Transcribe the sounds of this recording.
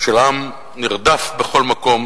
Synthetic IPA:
ʃelam | niʁd̪afbe̞χo̞lmako̞m

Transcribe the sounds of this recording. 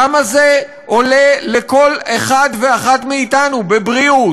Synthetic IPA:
amaze | o̞le̞le̞ko̞leχad̪veaχatmeitanubebʁiu

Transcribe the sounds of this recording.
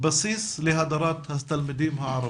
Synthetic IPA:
bɑsiːsˤlɪɦad̪ɑɾˤɑːt̪hast̪almɪd̪iːmhaʕɑɾˤɑ

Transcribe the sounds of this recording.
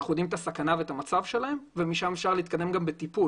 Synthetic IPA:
χud̪imt̪asakanavet̪amat͡savʃe̞lahe̞mvemiʃamefʃaʁleit̪̚kad̪e̞mɡambet̪ipu

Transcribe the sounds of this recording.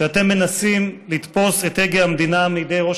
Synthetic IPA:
eat̪e̞mːe̞nasimlit̪po̞setheɡjaamd̪inamejid̪e̞jʁo̞ʃ

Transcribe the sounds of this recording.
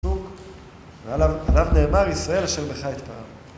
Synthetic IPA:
uk | veaaalavne̞ːmaʁisʁae̞laʃeʁbeχajit̪paam

